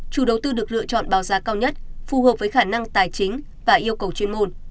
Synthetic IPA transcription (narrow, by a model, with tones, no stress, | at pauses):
t͡ɕu˧˩ɗə˨˩wt̪ɨ˧ɗɨ˨˩ək̚lɨ̰˧˨ət͡ɕɔ̰˧˨nɓaː˨˦wzaː˨˦kaː˧wɲə˦˥t̚fu˨˩həː˨˩p̚vəː˨˦jxaː˧˩na˧ŋt̪aː˨˩jt͡ɕï˨˦ŋ̟ | vaː˨˩ʔi˧əwkə˨˩wt͡ɕe˧nmo˧n